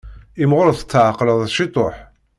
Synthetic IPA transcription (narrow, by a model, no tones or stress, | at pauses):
ɪmʁʊɾθət͡sːʕaqləðˤʃit̪ˤoħ